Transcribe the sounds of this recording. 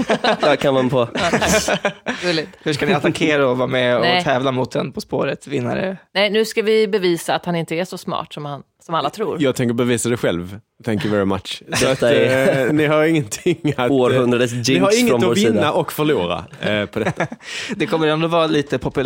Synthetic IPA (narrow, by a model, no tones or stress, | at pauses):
kʰanmanpʰɔ | ɡɵlːɪt̪hʉʂkanɪat̪akʰeːɾaɔvɑːɾmɛɔt̪ʰɛːvlamʊt̪̚d̪ɛnpʰɔspo̰ːɾət̪vɪnːa̰ɾə̰nɛjnʉ̟ːskavɪbɛviːsaːt̪hanɪnt̪əæʂɔsmɑ̰ːʈsɔmhan | sɔmalːat̪ʰɾuːɾjɑːɡ̚t̪ʰɛŋk̬əɾbɛviːsad̪ɛjɧɛ̰lv | t̪ʰɛ̃ŋkjʊvɛɾɪmat̪t͡ʃsa | nɪhaɾɪŋːənt̪ʰɪŋat̪ohɵnd̪ɾaɖəsd͡ʒɪnɪhaɾɪŋːəɔmɪiːnːaʔɔkfœɭuːɾa̰pʰɔd̪ɛt̪ːad̪ɛkʰɔmːəɾɛnd̪oːvɑːɾaliːt̪əpʰɔpɵ